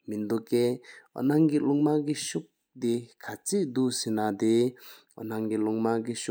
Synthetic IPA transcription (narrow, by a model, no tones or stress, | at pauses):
mind̪okːeo̰naŋkiluŋmak̬iɕuk̚ | d̪ikʰat͡ɕiʔd̪usinad̪e | naŋkiluŋmakiɕu